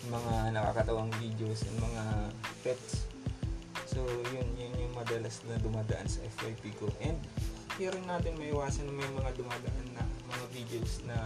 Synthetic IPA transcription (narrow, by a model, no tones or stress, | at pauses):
mɐŋanɐka̰kɐt̪ɐwaŋvid̪eosʔɛ̰nmɐŋapɛt̪s | sojʊnjʊnjʊŋmɐd̪ɐlasnɐd̪ʊmaːd̪ɐʔansɐʔɛfwajpikoʔɛnd̪̚ɐɾɪnːaːt̪ɪnmɐʔɪwaːsɐnɐŋmɐjmɐŋad̪ʊmaːd̪ɐʔanːɐmɐŋavid̪eowsnɐ